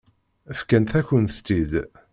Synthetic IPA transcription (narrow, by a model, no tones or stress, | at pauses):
əfkænt̪æçənθt̪ːid̪